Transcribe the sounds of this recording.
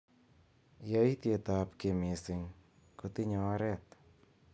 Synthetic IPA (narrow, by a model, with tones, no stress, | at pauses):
ja˦i˦t̪je˨ta˨pke˨me˨sɪ˨ŋ | ko˦tɪ˦ɲɔ˨a˦ɾɛ˦˨t